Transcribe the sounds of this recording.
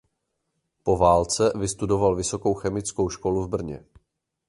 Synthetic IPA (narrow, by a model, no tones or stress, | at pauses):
po̞vaːlt͡sɛvɪst̪udo̞valvɪso̞ko̞wxɛmɪt͡sko̞wʃko̞luvbr̩ɲɛ̰